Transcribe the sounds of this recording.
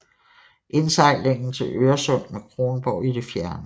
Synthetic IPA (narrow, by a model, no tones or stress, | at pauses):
ʔe̝nsɑ̈ɪ̰le̝ŋ̰n̩t͡sʰe̝lʔøːɐsɔ̽n̰mekʰʁo̝ːnb̥ɒʊ̰id̥e̝fjæɐnə